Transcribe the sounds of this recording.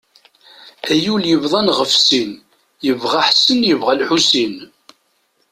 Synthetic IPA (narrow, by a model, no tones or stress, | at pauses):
æjuljəvðˤɑnʁəfsin | jəvʁaħsənjəvʁælħusin